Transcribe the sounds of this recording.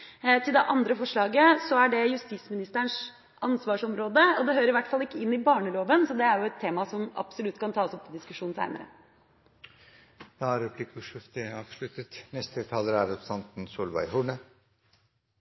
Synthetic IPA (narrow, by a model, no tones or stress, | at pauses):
t̪ʰɪld̪ɛʔɑnd̪ɾəfɔʂɭɑːɡəsɔæɖɛjʉst̪ismɪnɪst̪əɳʂ | ʔɑnsʋɑːʂɔmɾoːd̪əɔd̪ɛɦøːɾəɾɪʋæʈːfɑlːɪkːəɪnːɪbɑːɳəloːʋənsɔd̪ɛæɾjʊɛt̪ʰːeːmɑsɔmɑ̰psɔlʉt̪ːkʰɑnt̪ʰɑːsɔp̚t̪ʰɔd̪ɪskʉʂuːnsæ̰ɪnə̰ɾə̰ | d̪ɑɾɛpʰlikʉʂɪft̪əɑːʋʂlʉt̪ət̪nɛst̪ət̪ʰɑləɾæɾɛsɑnt̪n̩suːlʋɑ̰ɪɦʊɳə